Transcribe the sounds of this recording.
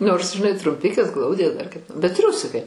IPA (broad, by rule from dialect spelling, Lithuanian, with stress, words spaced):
noːrs ʒʲɪˈnɐɪ trʊmʲˈpʲɪkʲeːs ˈɡlˠɐʊdʲeː dɐr kɐɪp bʲɛt ˈtʲrʲʊsʲɪkɐɪ